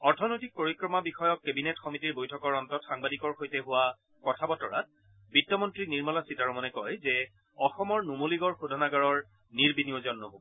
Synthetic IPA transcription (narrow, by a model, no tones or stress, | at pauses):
ɔɹtʰɔnojtik̚poɹikɹɔmabixɔjɔkːebinɛtxɔmitiɹbojtʰɔkɔɹɔntɔtxaŋbadikɔɹxojtɛɦʊwa | kɔtʰabɔtɔɹa̰t̚ | bitːɔmɔntɹiniɹmɔlasitaɹɔmɔnɛkɔjzɛ | ɔxɔmɔɹnumoliɡɔɹxudʱɔnaɡaɹɔɹ | niɹbiniɔzɔnːɔɦobɔ